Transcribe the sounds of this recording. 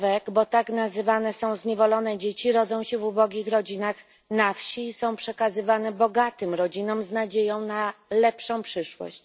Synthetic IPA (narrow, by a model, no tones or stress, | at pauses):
vɛɡbɔt̪aknazɘvanɛsɔ̃w̃zɲɛvɔlɔnɛd͡ʑet͡ɕiɾɔd̪zɔ̃w̃ɕɛvubɔɡʲixɾɔd͡ʑinax | nafɕisɔ̃w̃pʂɛkazɘvanɛbɔɡat̪ɘmɾɔd͡ʑinɔmznad͡ʑejɔ̃w̃nalɛpʂɔ̃w̃pʂɘʂwɔ̰ɕt͡ɕ